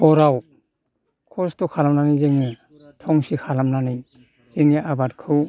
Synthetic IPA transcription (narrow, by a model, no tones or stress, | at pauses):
ɔɾaw | kʰɔstɔkʰalamnanizeŋe | tʰɔŋsikʰalamnanij | z̥eŋeʔabatkʰɯw